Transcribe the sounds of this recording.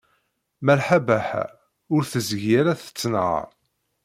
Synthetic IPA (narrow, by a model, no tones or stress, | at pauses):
mælħabæħæ̰ | ʊɾθəzʝjaɾæθə̥t͡sːnəʁ̰